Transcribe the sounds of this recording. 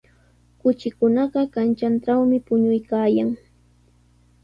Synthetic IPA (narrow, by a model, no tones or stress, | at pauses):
kʊt͡ʃɪkʊnɑɢɑkant͡ʃanʈ͡ʂawmɪpʊɲʊjkaːjaŋ